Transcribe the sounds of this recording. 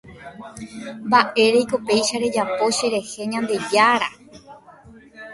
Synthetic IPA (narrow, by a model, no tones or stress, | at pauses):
mbaʔe̞ɾejko̞pe̞jʃaɾe̞d͡ʒapo̞ʃe̞ɾe̞he̞ɲãnd̪e̞d͡ʒaɾa